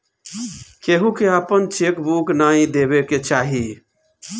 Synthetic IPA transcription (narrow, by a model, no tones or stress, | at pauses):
keɦũkeapənt͡ʃekbuknaĩd̪ebeket͡ʃaɦi